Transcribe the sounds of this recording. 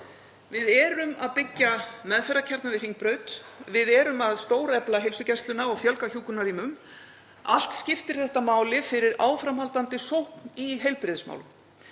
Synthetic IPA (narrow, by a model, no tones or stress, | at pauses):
vɪðɛːɾʏmaðpɪcːamɛðfɛɾacʰɛɾt̪navɪðriŋk̚pɾœːɥt̪vɪðɛːɾʏmaðst̪oːwɾɛplaɦejlsʏcɛst̪lʏnaɔɣfjœlkaçuːkʏnariːmʏm | a̰l̥t̪scɪft̪ɪɾ̥θɛht̪amaːwlɪfɪɾɪɾaːwfɾamhalt̪ant̪ɪsowhkniɦejlpɾɪðsma̰wlʏm